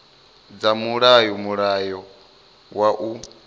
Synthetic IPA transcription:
d͡zamuɺajɔmuɺajɔ | waʔu

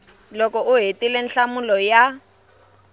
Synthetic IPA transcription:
lɔkɔʔʊɦetilenɬamulɔja

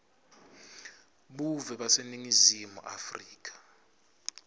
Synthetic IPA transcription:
ɓuvɛɓaseniŋizimṵʔa̰friːk̬ʼḁ

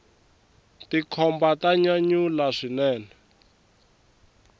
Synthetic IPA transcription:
tikʰɔmbataɲaɲulaʂinɛːnɛ

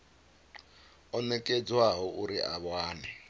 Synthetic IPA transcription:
ɔnɛkʼɛd͡zwaɦɔʔuɾiʔa̰βwaːnɛ

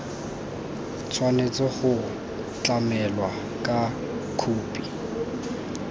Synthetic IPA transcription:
t͡sʰwanet͡sʼɔχʊ | t͡ɬʼamɛlwa | kʼa | kʰuːpʼi

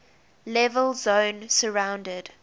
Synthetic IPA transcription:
lɛvəlzõʊnsəɹãʊ̃ndəd̥

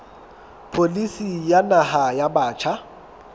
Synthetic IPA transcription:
pʰolisijanahajabaːt͡ʃʰa

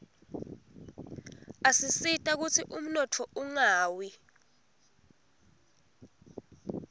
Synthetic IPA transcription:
asisitʼak̬utʰiʔum̩nɔtʰɔuŋaːwi

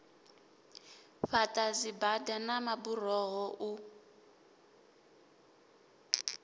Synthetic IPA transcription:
ɸatʼazibadanamaburɔɦɔʔu

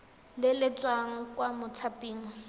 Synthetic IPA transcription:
lɪlɪt͡sʼwaŋ̩kʼwamʊt͡sʰapʼiːŋ̩

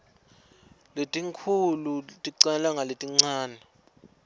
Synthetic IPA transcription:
letʼiŋkʰulutʼiǀɛlwaŋʱaletʼiŋ͡ǀaːnɛ

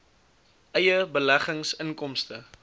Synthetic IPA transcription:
ʔəjəbəlæχəŋsəŋkɔmstə

